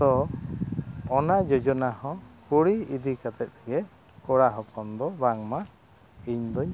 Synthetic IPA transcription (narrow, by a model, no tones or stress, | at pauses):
t̪ɔ | nad͡ʒɔd͡ʒɔnahɔ̃kuɽiid̪ikat̪ɛt̪̚ɡɛ | kɔɽaɦɔkɔnd̪ɔbaŋma | iɲd̪ɔɲ